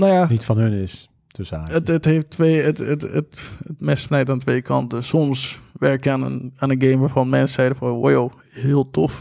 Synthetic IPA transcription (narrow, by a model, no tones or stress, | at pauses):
najanitfɔnhənɪs | təsaːətətheːftʋeːətətə̰tətmɪsnɛjtaːntʋeːkʰɑ̰ntəsɔmsʋɛɹkjəanə̰naːnənɡeːmʋaːfɑnmɛnsɛjdəfɔojo | hɪəlˠtʰɔf